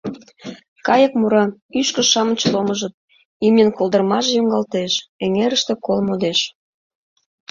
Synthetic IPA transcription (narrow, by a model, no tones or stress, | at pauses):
kɑjək̚muɾɑyʃkə̆ʃɑmət͡ɕloməʒə̆t̪̚ | imnʲənkolˠd̪ərmɑʒejoŋɡɑlt̪eʃeŋeɾəʃt̪ĕkolmod̪eʃ